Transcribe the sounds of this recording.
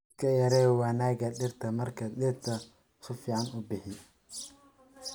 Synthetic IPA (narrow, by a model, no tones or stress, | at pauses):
kʰɐjɐɾɛːwɑːnaːɡɐɗɪrt̪ʰɐmɐrkʰɐɗɪrt̪ʰɐ | sʊfiːʕɑnʊbɪħɪ